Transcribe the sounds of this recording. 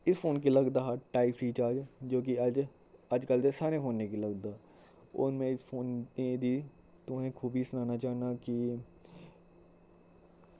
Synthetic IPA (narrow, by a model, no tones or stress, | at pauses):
ɪspʰoːnkiləɡd̪aʈaːɪpsiːt͡ʃaːɾd͡ʒd͡ʒoːk̬iəd͡ʒ | əd͡ʒkəld̪esaːɾepʰoːnːekiləɡd̪aː | ʊ̰nmẽɪspʰoːned̪iː | t̪ʊẽkʰuːbʱisʊnaːnat͡ʃaːnaki